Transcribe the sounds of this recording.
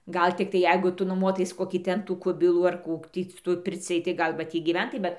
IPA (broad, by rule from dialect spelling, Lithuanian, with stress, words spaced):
ˈɡɐlˠ tʲɪkˈtɐɪ ˈjɛɪɡʊ ˈtʊ nʊˈmuɔtɐɪs ˈkoːkʲiː ˈtʲɛn tuː ˈkʊbʲɪlˠuː ɐr ˈkuː ˈtʲiː sʊ ˈtuɔj ˈpʲɪrʲt͡sʲɪj tɐɪ ˈɡɐlˠ ʋɐ ˈtʲiː ɡʲiːˈʋʲɛntɐɪ ˈbʲɛt